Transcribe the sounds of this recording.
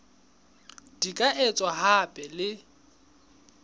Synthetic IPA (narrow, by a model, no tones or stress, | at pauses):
d̥ikʼaʔet͡sʼwaɦapʼɛlɪ